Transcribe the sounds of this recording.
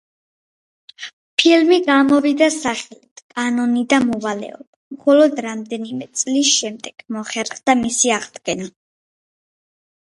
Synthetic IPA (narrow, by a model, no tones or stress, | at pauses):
pʰilmiɡamɔvid̪asaχɛlit̪ʰkʼanɔnid̪amɔvalɛ̰ɔ̰b̥amχɔlɔd̪ɾamd̪ɛnimɛt̪sʼlisʃɛmd̪ɛɡ̥mɔχɛɾχd̪amisiaʁd̪ɡɛna